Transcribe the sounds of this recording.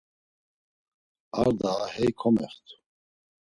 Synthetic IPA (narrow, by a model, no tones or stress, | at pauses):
aɾd̪ahɛjkʰɔmɛ̰χt̪ʰu̥